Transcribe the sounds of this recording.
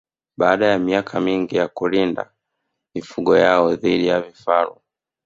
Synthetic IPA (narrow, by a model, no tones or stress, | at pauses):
ɓaːɗajamiakʰamiŋɡijakulinda̰ | mifuɠɔjaɔðiɗijavifaɾu